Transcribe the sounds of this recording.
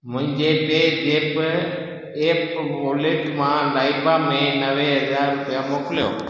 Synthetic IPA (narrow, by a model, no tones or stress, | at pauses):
mʊ̃ɪ̃ɲd͡ʒeːpeːd͡ʒeːb | eːpʋoːleːʈmãːlaːibaːmẽːnəʋeːɦəzaːɾːʊpɪjãːmoːkljo̰ː